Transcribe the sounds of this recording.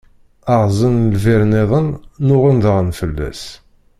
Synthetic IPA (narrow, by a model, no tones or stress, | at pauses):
aʁzˤənlvɪɾneðˤənːʊʁənd̪ʁnfəlːæ̰s